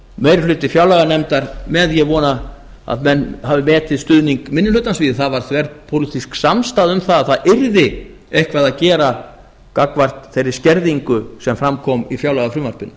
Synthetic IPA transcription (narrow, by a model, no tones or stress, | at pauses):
meːjɾflʏːt̪ɪfjawlaɣanɛmt̪aɾmɛðjɛvɔːna | a̰ðmɛnːhavɪmɛːt̪ɪðst̪ʏðniŋkmɪnːɪlʏt̪ːansviːðɪθaðvaɾ̥θvɛɾðpʰowlit̪isksamst̪aːðʏmθaðaðθaðɪɾðɪ | ehkvaðaðcɛːɾa | kakvar̥t̪θejɾːɪ̥scɛɾðiŋkʏsɛmfɾamkʰɔmifjawlaɣafɾʏmvaɾ̥pɪnː